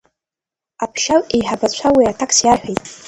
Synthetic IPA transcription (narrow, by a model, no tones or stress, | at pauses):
apʰʃalejħabat͡ɕʷʰawiatʰakʰʼsjarħᶣejtʼ